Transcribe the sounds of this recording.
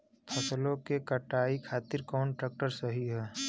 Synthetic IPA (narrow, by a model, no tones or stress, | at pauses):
pʰɐslõkekɐʈaːikʰaːt̪ɪɾkɔːnʈɾeːk̚ʈəɾsəɦiɦɛː